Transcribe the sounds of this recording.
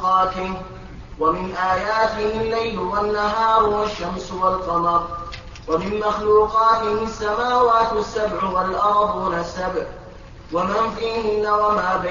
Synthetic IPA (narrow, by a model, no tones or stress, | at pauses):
qɑːt̪ɪ | wamɪnʔaːjaːt̪ɪhɪlːajlʊwanːaɦɑːɾˤʊwaʃːamswalqɑmɑɾˤ | wamɪnmaxluːqɑːt̪ɪhɪasːamaːwaːt̪asːabʕʊwalʔɑɾˤd̪ˤʊnasːabʕ | wamanfiːɦɪnːawamaːba